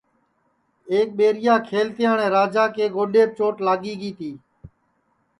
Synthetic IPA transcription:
eːk̚ɓeːɾɪjãːkʰeːlt̪ɪjaːɳẽːɾaːd͡ʒaːkeːɡoːɗeːp̚t͡ʃoːʈlaːɠiːɡiːt̪iː

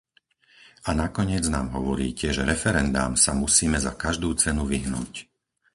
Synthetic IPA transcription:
anakɔɲɪɛd͡znaːmɦɔʋɔɾḭːcɛʒɛɾɛfɛɾɛnd̪a̰ːmsamusiːmɛzakaʒd̪uːt͡sɛnuʋiɦnṵːc

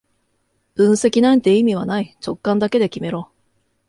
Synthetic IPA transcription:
ɯ̟̃ɰ̃se̞kʲinãnt̪e̞imʲiβanait͡ɕo̞kːãnd̪ake̞d̪e̞kʲime̞ɾo̞ː

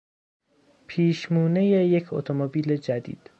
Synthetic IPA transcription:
pʰiːʃmuːnejejecʰot̪ʰomobiːle̞d͡ʒæd̪ḭːd̪̥

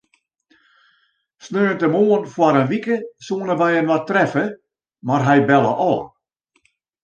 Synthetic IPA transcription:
snøːəntəmoːənfwaɾənʋikəsuənəʋɛjənwatrɛfə | marɦɛjbɛlə̰ʔɔː

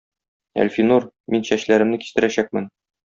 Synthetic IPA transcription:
æ̰lʲfinuɾ | minɕæɕlæɾɘ̆mnɘki̥st̪ɘ̆ɾæɕæk̚mɘn

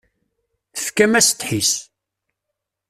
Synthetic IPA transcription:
θəfkæmæsə̥t̪ħis

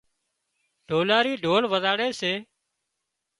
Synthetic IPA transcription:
ɖʱoːlaːɾiːɖʱoːlʋəzaːɽeːseː

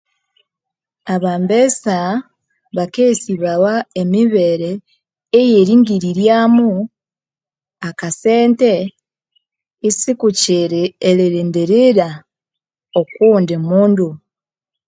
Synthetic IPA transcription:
aβaːmbesa | βakesiβawaemiβeɾeː | jeɾiːŋɡiɾiɾjaːmu | akase̞ːnte̞ | isikuciɾeɾiɾiːndiɾiɾa | okuːndemuːndu

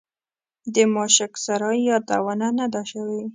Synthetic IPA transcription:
d̪əmɑʃɪksaɾɑjjɑd̪a̰wananad̪aʃawe

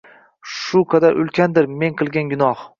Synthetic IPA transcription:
ʃʊqʰɑd̪aɾʔʊlkʲʰand̪ɪɾme̞ŋqʰɨlˠɡʲanɡʲʊnɒh

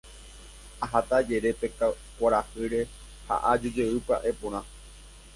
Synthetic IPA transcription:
aɦat̪ad͡ʒe̞ɾe̞peka | kʷaɾahɨɾe̞ | ha̰ʔad͡ʒod͡ʒewɨpa̰ʔe̞põ̞ɾ̃ã

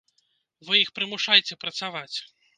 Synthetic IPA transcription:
vɨjixpɾɨmuʂajt͡sʲɛpɾɐt̪savat͡sʲ

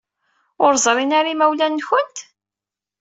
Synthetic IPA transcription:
ʊɾzˤɾˤinaɾimæwlænːçənt̪

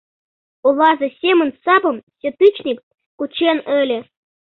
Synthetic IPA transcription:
ulˠɑzɤ̆sʲemʲɘ̆nsɑbɤ̆msʲĕt̪ɨt͡ɕnʲikʲ | kut͡ɕenʲɘ̆lʲɘ̆

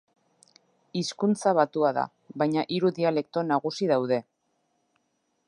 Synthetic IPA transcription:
iskunt͡saβ̞at̪uaða̰ | βajɲaʔiɾuðiale̞k̚t̪o̞naɣ̞usiðawðe̞

